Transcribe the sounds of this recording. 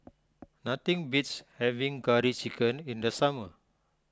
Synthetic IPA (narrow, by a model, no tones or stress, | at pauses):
nat̪ɪŋbit̪shɛviŋkaɾit͡ʃikənind̪əsamə